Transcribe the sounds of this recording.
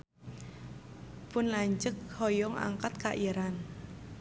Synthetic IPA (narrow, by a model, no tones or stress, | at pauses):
pʊnlaɲd͡ʒək̚hɔjɔŋa̰ŋkat̪̚kaʔiɾan